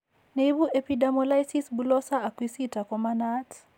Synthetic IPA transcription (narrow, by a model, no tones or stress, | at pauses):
nebuʔepidamɔlajsisbulɔsaːkwisitakɔmanat